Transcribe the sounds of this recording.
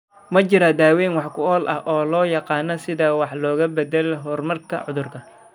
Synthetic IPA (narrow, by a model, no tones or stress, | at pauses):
mɐt͡ʃɪɾad̪aːwɛːnwɑħkʰʊɔːlʔɐhʔɔːlɔːjɑqɑːnɐsɪðɐwɑħlɔːɣɐbɐd̪ɛlɦɔrmɐrkʰɐ̰ʕʊðʊrkʰɐ